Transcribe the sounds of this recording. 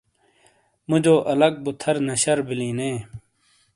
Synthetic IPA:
mʊd͡ʑoːʔɐlɐɡ̚but̪ʰɐɾnɐɕɐɾbilĩːnẽː

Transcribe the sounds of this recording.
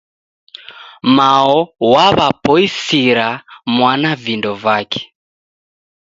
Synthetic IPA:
maɔwaβapɔisiɾamwanavindɔvakɛ̥

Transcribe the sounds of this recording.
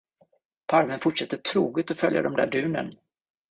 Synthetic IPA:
pʰaɾmənfʊʈʂɛt̪ːəʈʰɾuːɡət̪ɔfœlja̰d̪ɔmd̪æ̰ːɖʉ̟ːnə̰n

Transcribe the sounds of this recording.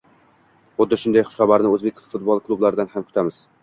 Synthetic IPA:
χʊd̪ːɪʃʊnd̪ajχʊ̥ʃχɑbaɾnɪɵzbe̞kʲffʊt̪̚bɒlˠklˠublaɾɪd̪anhamkʰʊ̥t̪ʰamɪz̥

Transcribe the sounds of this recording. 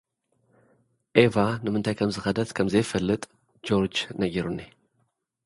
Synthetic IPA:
ʔevanɨmɨnt̪ʰajkʰɐmzɨxɐd̪ɐt̪kʰɐmzɐjfɐlːɨt̪ʼ | d͡ʒoɾd͡ʒnɐɡiɾunːe

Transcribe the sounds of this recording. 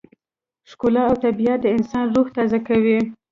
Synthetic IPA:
ʃkolɑawt̪abiat̪̚d̪əɪnsɑnɾoɣt̪ɑzakawi

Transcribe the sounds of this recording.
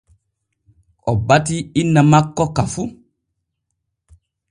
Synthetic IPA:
ʔɔbatiinːamakːɔkafu

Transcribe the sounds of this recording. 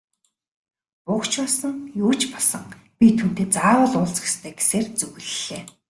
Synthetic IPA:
pʊkt͡ɕpɔɮsə̆ŋjuːt͡ɕpɔsə̆ŋpʲit̪ʰun̥t̪eːt͡saːwə̆ɮʊːɮt͡sɡe̥st̪ʰeːɡe̥seːrt͡sɵɣɘ̆ɮeː

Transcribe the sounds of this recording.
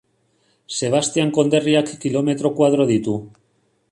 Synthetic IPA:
se̞β̞ast̪jaŋko̞nd̪eriakːilomet̪ɾokwað̞ɾoðit̪u

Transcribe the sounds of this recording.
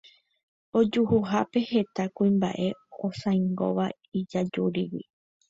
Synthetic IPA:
o̞d͡ʒuhuɦape̞he̞t̪akũĩmba̰ʔe̞osãjŋɡo̞̰ʋa | id͡ʒad͡ʒuɾiwḭ

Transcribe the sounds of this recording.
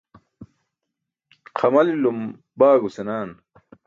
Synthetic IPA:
qʰɐmɐlilum | baːɡusenaːn

